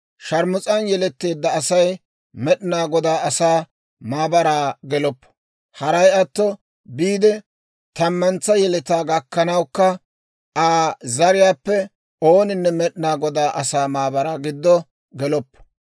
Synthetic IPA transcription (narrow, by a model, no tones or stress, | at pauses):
ʃɐɾmʊt͡sʼɐnjɛlɛt̪ːe̞ːd̪ːɐːsɐj | mɛɗnaːɡɔd̪aːɐsaː | maːbɐɾaːɡɛlɔpː | hɐɾɐjɐt̪ːɔ | biːd̪ɛ | t̪ɐmːɐnt͡sːɐjɛlɛt̪aːɡɐkːɐnɐwkːɐ | ʔaːzɐɾɪjaːpːɛ | oːnɪnːɛmɛɗɪnaːɡɔd̪aːʔɐsaːmaːbɐɾaːɡɪd̪ːɔ | ɡɛlɔpː